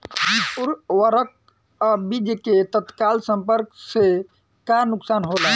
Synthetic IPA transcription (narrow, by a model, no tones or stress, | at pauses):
bipuɾwəɾək̚ | ɔbid͡ʒ̪ket̪ət̪kalsə̃mpəɾkse | kanuksaːnɦolə̃